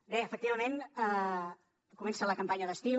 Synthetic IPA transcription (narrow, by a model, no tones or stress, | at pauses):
beəfək̚t̪iβəmenə | kumɛnsələkəmpaɲəðəst̪i